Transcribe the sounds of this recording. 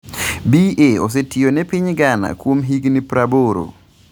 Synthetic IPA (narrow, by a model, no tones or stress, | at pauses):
bieos̬etʰionɛpiɲɡana̰kwomɦiɡnipɾaboɾo̰